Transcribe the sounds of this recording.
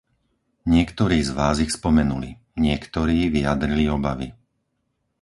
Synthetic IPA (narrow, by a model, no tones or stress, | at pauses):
ɲɪɛkt̪ɔɾiːzʋaːzixspɔmɛnulḭ | ɲɪɛkt̪ɔɾiːʋiad̪ɾiliɔbaʋḭ